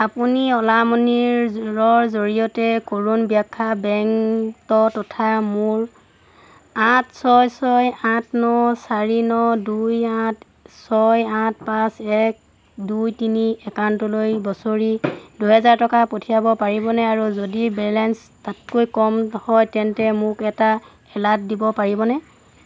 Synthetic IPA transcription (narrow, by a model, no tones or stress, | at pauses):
apuniɔlamɔniɹɹɔɹzoɹijɔtɛkoɹunbiakʰːabɛŋtɔtɔtʰamuɹ | ãtsɔjsɔjãtnɔsaɹinɔdujãt | sɔjãt̚pãsɛk̚ | dujtiniɛkawntɔlojbɔsoɹiduɦɛzaɹtɔkapotʰijabɔpaɹibɔnɛaɹuzodibɛlɛns | tatkojkɔmhɔjtɛntɛmʊkɛta | ɛlat̚dibɔpaɹibɔnɛ